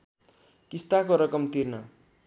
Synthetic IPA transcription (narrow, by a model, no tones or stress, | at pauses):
kist̪akoɾʌkʌmt̪ʰirnʌ